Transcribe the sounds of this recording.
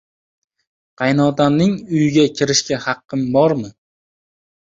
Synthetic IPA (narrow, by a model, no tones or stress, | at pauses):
qʰɑjnɒd̪amnɪŋʊjɪɡʲakʲʰɪɾɪʃkʲahɑqːɨmbɒɾmɪ